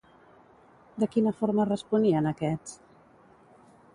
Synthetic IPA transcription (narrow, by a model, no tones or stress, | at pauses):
d̪əkinəfoɾmərəspuniənəkɛt͡s